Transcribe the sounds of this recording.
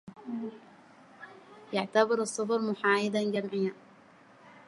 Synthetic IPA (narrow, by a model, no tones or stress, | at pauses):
jaʕt̪abɑɾɨsˤːɨfɑɾˤmʊħaːjɪd̪anɡamʕɪjːa